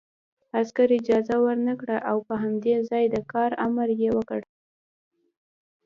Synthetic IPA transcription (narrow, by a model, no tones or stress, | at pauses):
askaɾɪd͡ʒɑzawəɾnakɽaʔawpəɦamd̪ezɑjd̪əkɑɾamaɾjewəkəɽ